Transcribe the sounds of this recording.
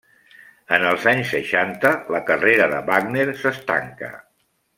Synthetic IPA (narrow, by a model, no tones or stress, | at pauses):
ənəlˠzaɲsːəʃant̪ələkəreɾəðə̰βaɡneɾsəst̪a̰ŋkə̰